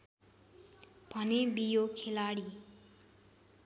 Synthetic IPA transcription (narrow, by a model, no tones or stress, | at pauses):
b̥ʱʌnebijokʰelaɽi